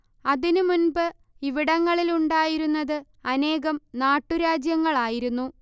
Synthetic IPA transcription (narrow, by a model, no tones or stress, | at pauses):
ɐðinɨmunbɨ | iʋiɽɐŋːɐɭiluɳɖaːjiɾunːɐðɨ | ɐne̞ːɣɐmnaːʈːuɾaːd͡ʑjɐŋːɐɭaːjiɾunːu